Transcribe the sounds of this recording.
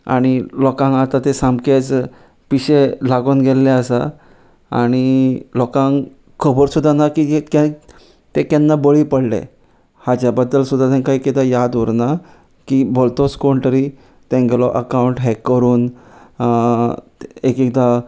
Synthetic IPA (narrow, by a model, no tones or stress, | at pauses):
a̰ɽ̃ilɔkãŋat̪at̪esãmket͡s | piɕelaɡoːnɡʱelːeəsa | aɽ̃ilɔkãŋ | kʰəbəɾsud̪ʱːanakikɛ̃ | t̪ekɛnːabəɭipəɽlḛ̃ | had͡ʑjabəd̪ːəlsud̪ʱːat̪ɛ̃ŋkaekit̪ajad̪uɾna | kibolt̪oskoɳʈ̪əɾi | t̪ɛ̃ŋɡlɔʔəkauɳʈɦɛkːəɾuːn | ekikt̪a